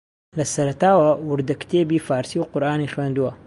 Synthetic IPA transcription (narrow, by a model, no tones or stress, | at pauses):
lɐsɐɾɐt̪aːwɐwʊɾd̪ɐkt̪ʰeːbiːfaːɾsiːwqʊɾʔaːnixweːnd̪uwɐ